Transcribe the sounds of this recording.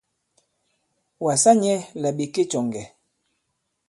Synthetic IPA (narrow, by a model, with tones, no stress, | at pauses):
wa˨sa˦ɲɛ˦la˨ɓi˨ke˦t͡ʃɔ˨ŋɡɛ˨